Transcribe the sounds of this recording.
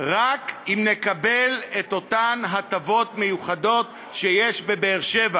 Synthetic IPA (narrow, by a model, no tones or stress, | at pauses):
ʁakimne̞kabeleto̞tanɦatavo̞tmejuχado̞t | ʃejeʃbe̞beːʁʃeva